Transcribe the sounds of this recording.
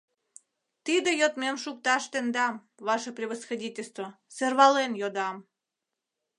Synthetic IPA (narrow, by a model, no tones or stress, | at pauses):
t̪id̪ejot̪memʃuk̚t̪ɑʃt̪end̪ɑm | βɑʃəprʲiβəsxodʲitʲelʲst̪voserβɑlenjod̪ɑm